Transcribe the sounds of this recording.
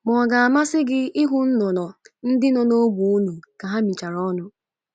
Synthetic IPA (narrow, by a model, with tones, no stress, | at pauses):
mɔ˨ɡa˨a˨ma˦sɪ˦ɡɪ˦ɪ˦ɦʊ˦n̩˦nɔ˨nɔ˨n̩˦dɪ˦nɔ˨no˦bʷu˨u˦nu˨ka˨ɦa˦mi˨t͡ʃa˨ɾɔ˦nʊ˨